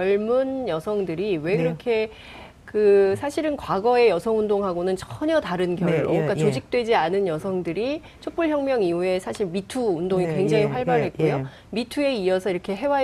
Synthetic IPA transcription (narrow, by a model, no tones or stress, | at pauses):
ʌɭmunjʌsʰʌŋdɯɾiwe̞kɯɾʌkʰe̞ | kɯsʰaɕʰiɾɯnkwaɡʌe̞jʌsʰʌŋundoŋɦaɡonɯnt͡ɕʰʌɲʌtaɾɯnɡjʌɾɯ̰k͈at͡ɕod͡ʑik̚t͈we̞d͡ʑianɯnjʌsʰʌŋdɯɾi | t͡ɕʰop͈uɭçjʌŋmjʌŋiue̞sʰaɕʰiɭmitʰuundoŋikwe̞ŋd͡ʑaŋipʰaɭbaɾɦe̞t̚k͈ojo | mitʰue̞iʌsʰʌiɾʌkʰe̞ɦe̞wa